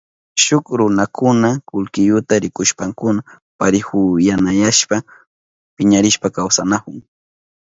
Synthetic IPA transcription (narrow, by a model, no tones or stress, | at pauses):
ʃʊkɾʊnakʰʊnakʊlkɪjʊt̪aɾɪkʊʃpaŋkʊna | paɾɪxʊjanajaʃpa | pɪɲaɾɪʃpakawsanakʊŋ